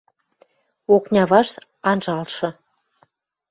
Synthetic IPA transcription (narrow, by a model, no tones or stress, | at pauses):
oknʲɑβɑʃt̪ | ɑnʒɑlʃɤ̆